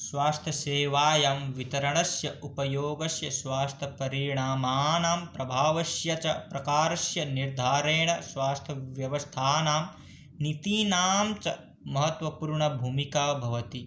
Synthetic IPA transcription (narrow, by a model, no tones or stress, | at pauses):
sʋaːst̪ʰɐseːʋaːjaːmʋit̪ɐɾɐɳɐsjɐʔupɐjoːɡɐsjɐsʋaːst̪ʰɐpɐɾiɳaːmaːnaːmpɾɐbʱaːʋɐsjɐt͡ʃɐpɾɐkaːɾɐsjɐniɾd̪ʱaːɾeːɳɐsʋaːst̪ʰɐʋjɐʋɐst̪ʰaːnaːm | nit̪iːnaːmt͡ʃɐ̰ | mɐɦɐt̪ʋɐpuːɾɳɐbʱuːmikaːbʱɐʋɐt̪i